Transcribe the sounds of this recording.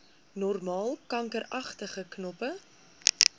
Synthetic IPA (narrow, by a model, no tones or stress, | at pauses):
nɔrmɑːlˠkɐŋkəɾɐχtəχəknɔpə